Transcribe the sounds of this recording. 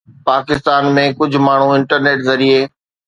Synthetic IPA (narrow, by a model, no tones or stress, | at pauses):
paːkɪst̪aːnmẽkʊd͡ʑʱʊmaːɳ̤ũɪ̃ɳʈəɾneːʈzɐɾieː